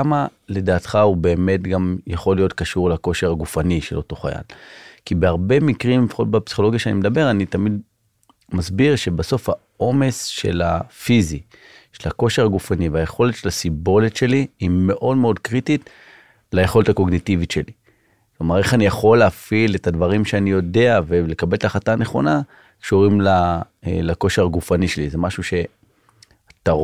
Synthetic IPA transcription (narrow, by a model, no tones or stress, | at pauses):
ama | le̞daːtχaube̞ːme̞tɡamjaχo̞lːijo̞tkaʃuʁlako̞ʃe̞ʁaɡufaniʃe̞̰lo̞to̞χa̰ja̰lkibeaʁbe̞mikʁimlefaχo̞t̚bepsi̥χo̞lo̞ɡjaʃeanimed̪abe̞ʁanitamid | masbiʁʃe̞baso̞fha̰ | o̞me̞sʃe̞̰la̰fizi | ʃelako̞ʃe̞ʁaɡufaniveajeχo̞letʃelasibo̞letʃe̞liːme̞ʔo̞dmeo̞d̪kʁit̪it̪ | laje̞χo̞letako̞ɡnitivitʃe̞li | klomaʁe̞χanijaχo̞lːeːfile̞tadvaʁimʃeanijo̞de̞avele̞kabe̞ltaχataːneχo̞̰na | kʃuʁimla̰ | lako̞ʃe̞ʁaɡufaniʃelizemaʃuʃe̞ | at̪a